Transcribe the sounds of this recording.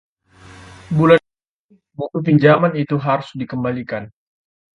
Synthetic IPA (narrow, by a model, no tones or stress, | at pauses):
bula | buk̪upiɲd͡ʒamanit̪uɦaɾʊsdikəmbalikan